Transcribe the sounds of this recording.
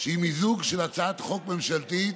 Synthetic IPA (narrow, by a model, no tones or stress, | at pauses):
ʃeimizuɡʃelat͡saːt̪χok̚memʃalt̪i